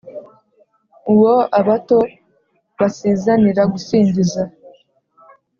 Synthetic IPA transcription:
uwo̞aβato̞ | βasiːzaniɾaɡusiːɲɟiza

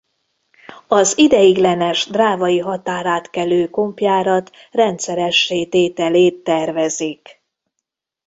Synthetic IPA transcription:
ɒzid̪ɛjiɡlɛnɛʒd̪raːvɒjiɦɒt̪aːɾaːt̪kɛløːko̞mpjaːɾɒt̪ | rɛnt̪sɛɾɛʃːeːt̪eːt̪ɛleːt̪ːɛrvɛzik

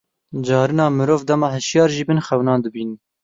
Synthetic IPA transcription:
d͡ʒɑːɾɨnɑːmɨɾoːvd̪ɛmɑːhɨʃjɑːɾʒiːbɨnxɛwnɑːnd̪ɨbiːnɨn

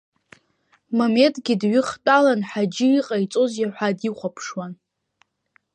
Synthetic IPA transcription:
mome̞ntʼɡʲɪdɥɪχtʼalanħad͡ʒɪiqʼajt͡sʼo̞zjaħʷadiχʷapʰʂwan

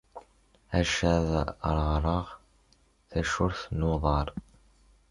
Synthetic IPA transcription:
æʃæð̰ɾˤʁɾˤɑʁ | θæʃʊɾθnuðˤɑɾˤ

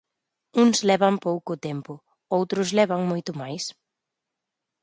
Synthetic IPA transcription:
uŋslɛβampowkʊːt̪ɛmpʊ | owt̪ɾʊslɛβaŋmojt̪ʊmajs

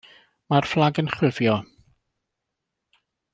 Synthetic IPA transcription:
marflˠaɡənχwɪvjɔ

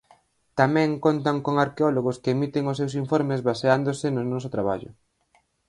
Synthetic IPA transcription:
t̪amɛ̃ŋkont̪aŋkoŋaɾkeɔloɣʊskeːmit̪eŋʊsːewsiɱfɔɾmezβaseand̪osɪnʊnɔsʊt̪ɾaβ̞a̰ʎʊ̰

